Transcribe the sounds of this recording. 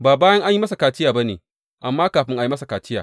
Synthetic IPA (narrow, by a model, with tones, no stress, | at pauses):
baː˨baː˦jɐ˦ŋʔa˦ɲji˦mɐ˦sa˨kaː˨tɪ˦jaː˨ba˦neː˨ | ʔa˨mːaː˦kaː˨ɸɪ˦ŋʔa˨ji˦mɐ˦sa˨kaː˨t͡ʃɪ˦ja̰ː˨